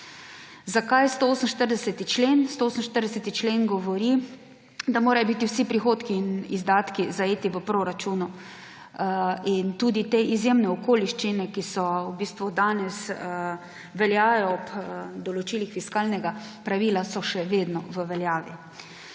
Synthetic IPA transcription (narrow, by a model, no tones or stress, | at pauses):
zakajst̪ooːsən̩ʃt̪əɾd̪ɛsɛt̪it͡ʃleːnst̪ooːsən̩ʃt̪əɾd̪ɛsɛt̪it͡ʃleːnɡɔʋɔɾi | d̪amoːɾajɔbit̪iwsipɾixoːt̪kiːnizd̪aːt̪kizaeːt̪iʋəpɾoɾat͡ʃuːnu | int̪uːd̪it̪eʔizjemnɛɔkoːliʃt͡ʃinɛkisɔwbiːst̪ʋud̪aːnɛs | ʋɛljaːjɔɔpd̪ɔlɔt͡ʃiːlixfiskaːlnɛɡa | pɾaʋiːlasɔʃɛʋeːd̪nɔʋəʋɛljaːʋḭ